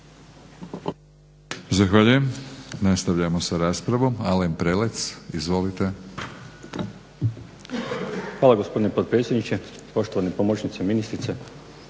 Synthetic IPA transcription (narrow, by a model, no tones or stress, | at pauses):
zaxʋaʎuje̞mnast̪aʋʎamo̞saɾaːspɾaʋo̞malempɾelet̪sizʋo̞lit̪e̞ | xʋaːlˠaɡo̞spo̞d̪inepot̪̚pɾetsjed̪nit͡ɕe | po̞ʃt̪oʋanipomot͡ɕnit̪seminist̪ɾit̪se